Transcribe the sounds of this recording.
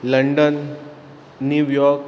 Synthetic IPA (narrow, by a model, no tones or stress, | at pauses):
ləɳɖənː | ujɔɾk